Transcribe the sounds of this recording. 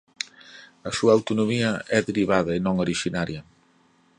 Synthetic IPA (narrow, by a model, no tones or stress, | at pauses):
ɐsuɐːwt̪unomiɐɛðeɾiβ̞aðɐenõŋoɾiʃinaɾjɐ